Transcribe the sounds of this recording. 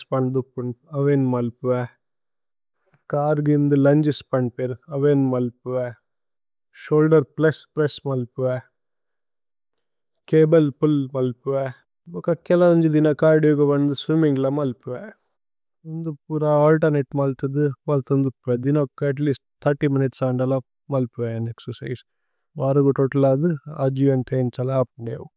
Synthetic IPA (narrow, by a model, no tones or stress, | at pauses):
spɐɳd̪upːuɳɐʋeːnmɐlpuʋɛ | kaːɾɡind̪ɨlɐɲd͡ʒispɐɳpeːɾɐʋeːnmɐlpuʋɛ | ʃoːlɖɐɾplɐspɾɐsmɐlpuʋɛ | keːbɐlpulmɐlpuʋɛ | ɔkɐkɛlɐnɐɲd͡ʒid̪inɐkaːɾɖioɡɐʋɐnd̪usʋimiŋɡlɐmɐlpuʋe | und̪upːuɾaaːlʈɐɾneʈːmɐlt̪ɐd̪ɨmɐlt̪ɐnd̪upːuʋed̪inɐkːɐɐʈ̬liːsʈ̚t̪ʰːɐɾʈiːminiʈsaɳɖɐlɐ | mɐlpuʋeɐneksɐɾsɐjs | baːɾɐɡoʈoːʈɐlaːd̪ɨa̰ːd͡ʒiʋɐnʈ̪ʰent͡ʃɐlaaːpɳɖḛw